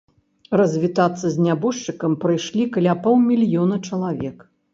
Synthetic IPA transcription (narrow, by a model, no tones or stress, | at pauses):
rɐzʲvʲit̪at̪sːɐzʲnʲabɔʂt͡ʂɨkɐmpɾɨjʂlʲikɐlʲapɔwmʲilʲjɔnɐt͡ʂɐlˠavʲɛk